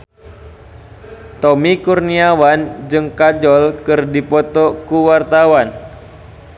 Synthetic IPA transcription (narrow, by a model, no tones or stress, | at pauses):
t̪ɔmikurniawand͡ʒɨŋkad͡ʒɔlkɨrdipɔt̪ɔkuwart̪awan